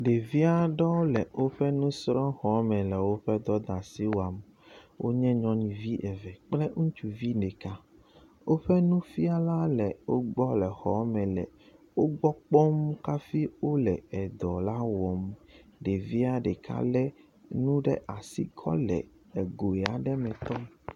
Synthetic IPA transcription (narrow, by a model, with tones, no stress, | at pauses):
ɖe˨vi˦a˦ɖɔ˦lɛ˨wo˦ɸɛ˦nũ˦sɾɔ̃˦xɔ˨˦mɛ̃˨lɛ˨wo˦ɸɛ˦d̪ɔ˦d̪a˨si˦wa˨m | wʔo̰˦ɲɛ̃˦ɲɔ̃˦nĩ˨vi˦ʔɛ˨vɛ˨k͡plɛ˦ŋũ˦t͡ʃu˨vi˦nɛ˨ka˦ | wo˦ɸɛ˦nũ˦fi˦a˦la˦lɛ˨wo˦ɡ͡bɔ˦lɛ˨xɔ˨˦mɛ̃˨lɛ˨ | wo˦ɡ͡bɔ˦k͡pɔ˦mka˦fi˦wo˦lɛ˨ɛ˨d̪ɔ˨la˦wɔ˨mɖe˨vi˦a˦ɖɛ˨kʰa̰˦lɛ˦ | nũ˦ɖɛ̰˦ʔa˨sḭ˦kʰɔ̰˦lɛ̰˨ | ɛ˨ɡo˨ɛ˨a˨ɖɛ˦mɛ̃˨t̪ɔ˦